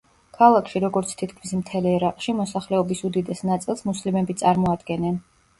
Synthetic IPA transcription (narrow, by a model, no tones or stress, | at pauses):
kʰalˠakʰʃiɾɔɡɔɾt̪sʰt̪ʰit̪̚ʰkʰmismt̪ʰɛlɛɾaqʼʃimɔsaχlɛɔbisud̪id̪ɛsnat̪sʼilˠsmuslimɛbit̪sʼaɾmɔad̪ɡɛnɛn